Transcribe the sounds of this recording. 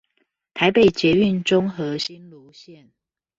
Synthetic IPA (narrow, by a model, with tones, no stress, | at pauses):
t̪ʰa˧˦ɪpe˨ɪt͡ɕjɛ˨˦y˥˨nʈ͡ʂʊ˦ŋxɤ˨˦ɕi˦nlu˨˦ɕjɛ˥˨n